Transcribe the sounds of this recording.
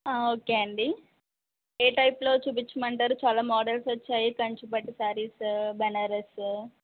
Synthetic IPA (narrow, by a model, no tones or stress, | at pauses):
aːoːkeɐɳɖi | eːʈɐjplo̞ːt͡ʃup̬it͡ʃːɐmɐɳʈaːɾut͡ʃaːlaːmɔːɖelsot͡ʃːaːjikɐɲt͡ʃupɐʈːisaːɾiːsbɐnɐɾes